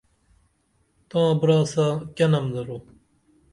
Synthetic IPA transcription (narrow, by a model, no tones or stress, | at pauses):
t̪ãːbɾaːsakɐnɐmd̪ɐɾo